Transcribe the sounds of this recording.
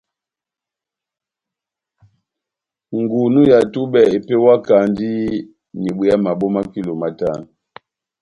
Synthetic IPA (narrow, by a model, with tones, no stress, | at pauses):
ŋɡu˨nu˦ja˨tu˦ɓɛ˨e˨pe˦wa˦ka˨ndi˦ | ni˨ɓwi˨a˦ma˨ɓo˦ma˦ki˦lo˨ma˦ta˦˨n˨